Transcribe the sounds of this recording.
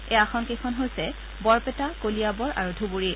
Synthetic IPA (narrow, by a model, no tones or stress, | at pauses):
eaxʰɔnkejkʰɔnɦojsɛ | bɔɹpɛtakolijabɔɹʔa̰ɹudʱubuɹi